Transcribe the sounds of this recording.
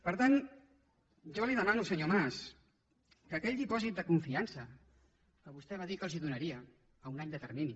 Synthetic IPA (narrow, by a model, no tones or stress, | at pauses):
pəɾt̪an | ʒɔliðəmanusəɲomas | kəkɛʎd̪ipɔzit̪̚d̪əkuɱfiansə | kəβust̪ɛβaðikəlˠziðunəɾiəː | unaɲd̪ət̪əɾmini